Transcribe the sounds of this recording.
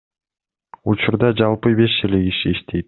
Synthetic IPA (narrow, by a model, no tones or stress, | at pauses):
ut͡ʃuɾd̪ɑd͡ʒɑlˠpɨbe̞ʃeliɡiʃiːʃt̪ʰejt̪̚